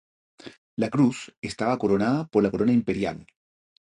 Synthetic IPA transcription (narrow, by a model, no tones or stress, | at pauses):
lakɾusest̪aβako̞ɾo̞naðapo̞ɾlakoɾo̞naimpe̞ɾja̰l